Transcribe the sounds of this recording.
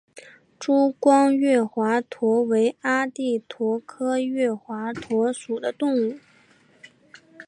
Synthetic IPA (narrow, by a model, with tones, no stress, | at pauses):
ʈ͡ʂu˥kwɑ˥ŋɥɛ˥˩xwa˧˥t̪ʰwɔ˧˥we˧˥ɪa˥t̪i˥˩t̪ʰwɔ˧˥kʰɤ˥ɥɛ˥˩xwa˧˥t̪ʰwɔ˧˥ʂu˨˩d̪ə˦t̪ʊ˥˧ŋu˥˩